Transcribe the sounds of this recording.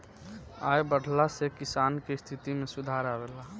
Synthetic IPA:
aːebəɽʱlasekɪsaːnkest̪ʰɪt̪imẽsʊd̪ʱaːɾaɾɛɦla

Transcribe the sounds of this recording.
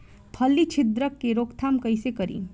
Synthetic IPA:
pʰɐlːit͡ʃʰɪd̪ɾəkːeɾoːkt̪ʰaːmkɐisekɐɾḭː

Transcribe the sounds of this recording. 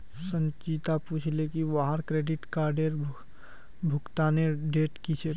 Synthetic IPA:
sə̃nt͡ʃit̪apuːt͡ʃʰlekiʋaɦaɾkɾeːɖɪʈkaːɾɖeɾ | bʱʊkt̪aneɖeːʈkit͡ʃʰe

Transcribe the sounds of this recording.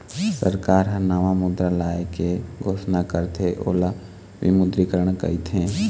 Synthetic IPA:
sə̰ɾkaːɾɦənaʋamʊd̪ɾalaːekeɡʱoːsnakəɾt̪ʰeʔo̰ːla | ʋɪ̰mʊd̪ɾikəɾəɳ̃kə̰it̪ʰɦẽː

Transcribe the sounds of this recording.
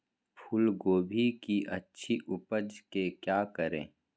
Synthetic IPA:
pʰʊlɡoːbʱikiʔɐtːʃʰiʔʊpəd͡ʒkekjaːkəɾḛ̃ː

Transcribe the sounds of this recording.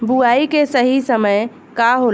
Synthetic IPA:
buaikesəɦisəməj | kaɦo

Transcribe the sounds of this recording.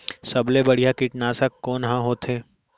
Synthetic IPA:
sɐblebɐɽ̤ijakɪʈnaːsəkːoːnɦãɦoːt̪ɦeː

